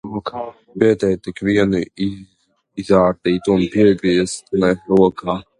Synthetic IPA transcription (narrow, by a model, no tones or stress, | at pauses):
ukʰa | bɛt̪ɛjt̪ikviɛni | izaːɾt̪iːt̪uunpiɛɡɾiɛst̪naɾuɔkʰaː